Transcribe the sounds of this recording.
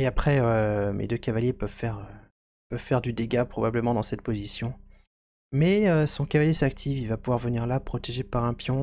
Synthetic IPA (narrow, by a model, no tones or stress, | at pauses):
eapχɛømʔḛd̪økavaljepœvfɛʁø | pœv̥fɛʁd̪yd̪eɡapχɔbabləmɑ̃d̪ɑ̃sɛt̪̚pozisjɔ̃ | mɛøsɔ̃kavaljesak̚t̪ʰivilvapuvwaʁvəniʁlapχɔt̪eʒepaʁɛ̃pjɔ̃